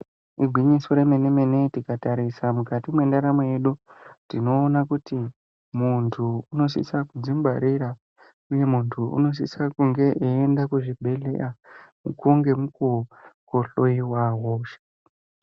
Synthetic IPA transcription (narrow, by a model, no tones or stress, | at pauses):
iɡʱwiɲisoɾemenemene̞tikataɾisamukatimwe̞ndaɾamo̞je̞ɗutino̞ːnakuti | muntʰuuno̞s̬ḭsakud͡zimbaɾiɾa | uje̞muntʰuṵno̞s̬isakuŋɡe̞ʔeːndakuʐibʱe̞lḛʔamukoŋɡe̞mukokoɬoiwaɦoːʃḁ